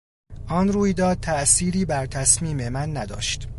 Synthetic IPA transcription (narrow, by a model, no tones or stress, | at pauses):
ʔɒːnruːjd̪ɒːd̪̥̚t̪ʰæʔsiːɾiːbæɾt̪ʰæsmiːme̞mænːæd̪ɒ̰ːʃt̪